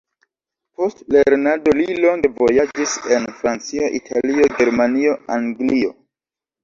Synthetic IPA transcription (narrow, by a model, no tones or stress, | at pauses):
po̞stle̞ɾnado̞lilo̞ŋɡe̞vo̞jad͡ʒise̞nfɾant͡sio̞ʔḭtʰalio̞ɡe̞ɾmanio̞aŋɡlio̞